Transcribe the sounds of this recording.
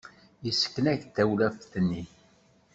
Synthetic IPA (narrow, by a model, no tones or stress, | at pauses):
jəsə̥kːnæçt̪æwlæfθnːi